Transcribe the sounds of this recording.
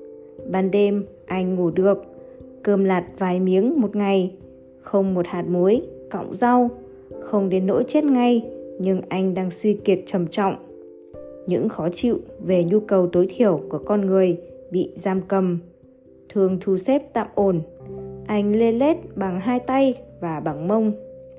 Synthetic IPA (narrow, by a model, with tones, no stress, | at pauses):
ɓaː˧nɗe˧m | ʔa˧jŋ̟ːŋu˧˩ɗɨ˨˩ək̚ː | əː˧˩mlaː˨˩t̚vaː˨˩jmi˨˦əŋmo˨˩t̚ŋa˨˩j | xə˧wŋ͡mmo˨˩t̚haː˨˩t̚mu˨˦jkɔ̰˧˨wŋ͡mza˧w | xə˧wŋ͡mɗe˨˦nːo̰˧˥jt͡ɕe˦˥t̚ŋa˧jɲɨ˧ŋʔa˧jŋ̟ɗaː˧ŋswi˧ki˨˩ət̚t͡ɕə˨˩mt͡ɕɔ̰˧˨wŋ͡m | ɲɨ̰˧˥ŋxɔ˨˦t͡ɕḭ˧˨wve˨˩ɲu˧kə˨˩wt̪o˨˦jt̪ʰi˧˩əwku˧˩əkɔ˧nŋɨ˨˩əjɓḭ˧˨zaː˧mkə˨˩m | t̪ʰɨ˨˩əŋt̪ʰu˧˩se˦˥p̚t̪a̰ː˧˨mʔo˧˩nʔa˧jŋ̟le˧le˦˥t̚ɓa˨˩ŋɦaː˧jt̪a˧jvaː˨˩ɓa˧˩ŋmə˧wŋ͡m